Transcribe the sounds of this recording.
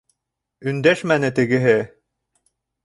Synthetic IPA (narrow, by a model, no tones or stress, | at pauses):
ɵ̆nd̪æʃmænɘt̪ɘ̆ɡɘ̆ɦɘ